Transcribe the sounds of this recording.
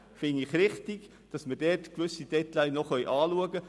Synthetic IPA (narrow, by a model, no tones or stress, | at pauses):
fɪndɪχɾɪχtiɡ | d̥ɑsmərd̥ɛːrtkʋʏsid̥ɛtlaɪnɔχœjʔɑːluəɡə